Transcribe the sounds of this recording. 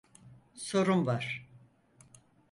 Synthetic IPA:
so̞ɾumvaɾ̥

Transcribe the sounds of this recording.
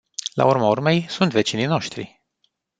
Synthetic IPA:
la̰urmaurme̞jsunt̪ve̞t͡ʃinijno̞ʃt̪ɾḭ

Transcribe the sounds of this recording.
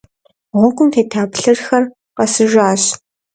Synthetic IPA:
ʁʷɔɡʷʊmtʰeːtʰaːpɬɨrxɐr | qɐsɨʒaːɕ

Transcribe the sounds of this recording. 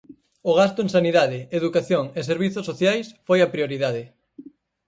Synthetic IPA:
oɣ̞ast̪ʊẽŋsaniðaðɪeðukaθjoŋeseɾβiθosːoθjajsfojɐpɾioɾiðaðɪ

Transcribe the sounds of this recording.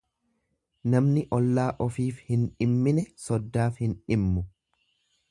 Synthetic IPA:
nɐmnɪʔɔlːaːʔɔfiːfhɪnᶑɪmːɪnɛsɔd̪ːaːfhɪnᶑɪmːʊ

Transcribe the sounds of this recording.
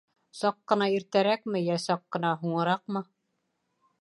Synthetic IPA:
sɑqːɤ̆nɑiɾt̪æɾækmɘjæsɑqːɤ̆nɑɦuɴɤ̆ɾɑq̚mɤ

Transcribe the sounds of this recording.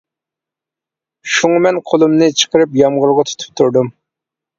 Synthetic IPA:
ʃuŋɑmɛnqʰolˠumnɨt͡ʃʰə̥qəɾɨpjɑmʁʊɾʁɑt̪ʰy̥t̪ʰʊ̥p̚t̪ʰuɾd̪ʊm

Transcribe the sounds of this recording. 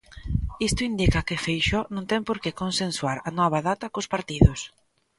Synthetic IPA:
ist̪ʊind̪ikɐkɪfejʃɔnõŋt̪ɛŋpoɾkekonsenswaɾɐnɔβ̞ɐðat̪ɐkospaɾt̪iðʊs

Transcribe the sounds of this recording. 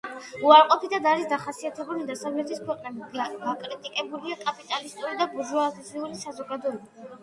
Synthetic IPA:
uaɾqʼɔpʰid̪ʰad̪aɾisd̪aχasiat̪ʰɛbulid̪asavlɛt̪ʰiskwɛqʼnɛbiɡaɡakʼɾit̪ʼikʼɛbuliakʼapʼit̪ʼalist̪ʼuɾid̪abuʒɔad̪iiuɾisazɔɡad̪ɔɛba

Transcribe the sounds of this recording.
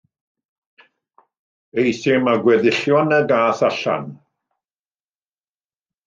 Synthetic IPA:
ejsɪmaɡwɛðɪɬjɔnəɡaːθaɬa̰n

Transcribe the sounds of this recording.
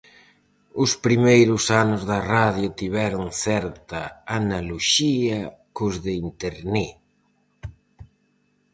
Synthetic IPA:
ʊspɾimejɾʊsanʊzðɐraðjʊt̪iβɛɾʊŋθɛɾt̪ɐanaloʃiɐkʊzðeint̪eɾni

